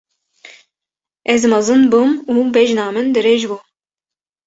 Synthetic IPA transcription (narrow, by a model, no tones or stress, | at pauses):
ɛzmɑzɨnbumuːbɛʒnaːmɨnd̪ɨɾeʒbu